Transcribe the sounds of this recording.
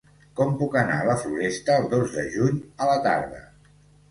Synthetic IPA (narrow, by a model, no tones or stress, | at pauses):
kɔmpukəna̰ələfluɾɛst̪əːlˠd̪ozðəʒuɲələt̪a̰ɾðə̰